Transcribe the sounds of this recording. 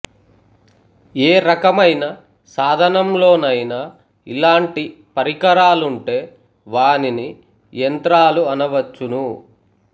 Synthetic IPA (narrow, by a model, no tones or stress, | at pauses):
eːɾɐkɐmɐjnɐ | saːd̪ʱɐnɐmlo̞ːnɐjna | ḭlaːɳʈi | pɐɾikɐɾaːluɳʈe̞ː | ʋaːnini | jɐnt̪ɾaːluɐnɐʋɐt͡ʃːunu